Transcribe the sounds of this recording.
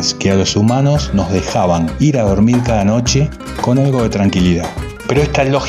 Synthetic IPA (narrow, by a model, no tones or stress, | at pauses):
skealo̞sumano̞sno̞zðe̞xaβaŋiɾaðo̞ɾmiɾkaðano̞t͡ʃe̞ | ko̞nalɣo̞ð̞e̞t̪ɾaŋkiliða | pe̞ɾoest̪alox